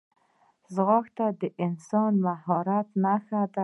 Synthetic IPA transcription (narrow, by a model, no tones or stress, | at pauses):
zɣɔxt̪ad̪ɪʔɪnsɔnvahɔɾat̪naxad̪a